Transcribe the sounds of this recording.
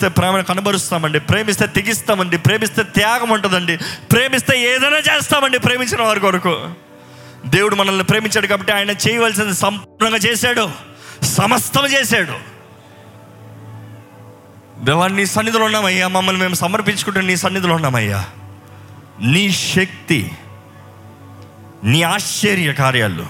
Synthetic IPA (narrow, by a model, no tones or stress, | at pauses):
t̪eːpɾaːmɐnɐkɐnubɐɾust̪aːmɐɳɖipɾe̞ːmist̪e̞ːt̪iɡist̪aːmɐɳɖipɾe̞ːmist̪e̞ːt̪jaːɡɐmuɳʈund̪ɐɳɖipɾe̞ːmist̪e̞ːɛːd̪ɐjnaːt͡ʃeːst̪aːmɐɳɖipɾeːmiɲt͡ʃinɐʋɐːɾikʋɐɾɐkṵː | d̪eːwuɽumɐnɐlːipɾe̞ːmiɲt͡ʃaːɽukaːbɐʈːiaːjɐnɐt͡ʃɛːjɐʋaːls̬ind̪isɐmpuːɾɳɐ̃ŋɡaːt͡ʃɛːsaːɽu | sɐmɐst̪ɐmɐt͡ʃeːsaːɽṵ | d̪ɛʋaːniːsɐnːit̪ulunːaːmɐjːaːmɐmːɐlime̞ːmusɐmɐɾp̬iɲt͡ʃukuɳʈːunniːsɐnːit̪̬ulunːaːmɐ̰jːa̰ː | niːʃɐk̚t̪ḭ | niːaːʃt͡ʃːeɾjɐkaːɾja̰ːlːṵ